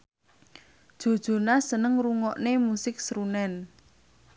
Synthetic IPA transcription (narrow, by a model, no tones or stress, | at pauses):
d̥ʒ̥o̤d̥ʒ̥o̤nasənəŋɾuŋɔʔnemusɪk̚sɾunɛn